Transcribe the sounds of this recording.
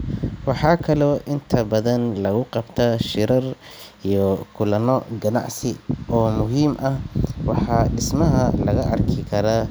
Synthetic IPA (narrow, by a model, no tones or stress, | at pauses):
wɑħɑːkʰɐlɔːʔɪnt̪ʰɐbɐðɐnlɐɣʊqɑbt̪ʰaʃɪɾɐrijɔkʰʊlɐnɔɡɐnɑ̰ʕsɪʔɔːmʊɦiːmʔɐhwɑħɑːɖɪsmɐɦɐlɐɣɐʔɐrkʰɪkʰɐɾaː